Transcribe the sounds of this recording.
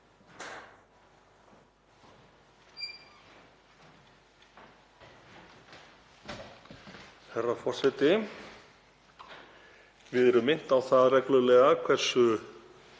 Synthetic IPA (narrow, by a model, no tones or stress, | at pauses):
θɛrːafɔr̥sɛt̪ɪ | vɪðɛɾʏmːɪn̥t̪awθaðrɛklʏlɛːɣakʰvɛr̥sʏ